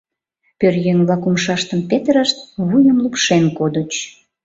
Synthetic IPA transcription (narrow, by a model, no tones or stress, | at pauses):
pørjøŋβlɑkumʃɑʃt̪əmpet̪ɾəʃt̪βujəmlupʃenkod̪ət͡ɕ